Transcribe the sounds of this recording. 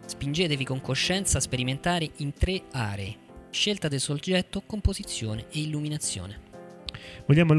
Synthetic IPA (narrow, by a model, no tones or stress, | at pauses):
spind͡ʒeːt̪evikoŋkoʃːɛnt̪saspeɾiment̪aːɾeʔint̪ɾeaːɾeː | ʃːelt̪ad̪elsod͡ʒɛt̪ːokompozit̪sːjoːneʔeilːuminat̪sːjo̰ːne | voʎːaːmol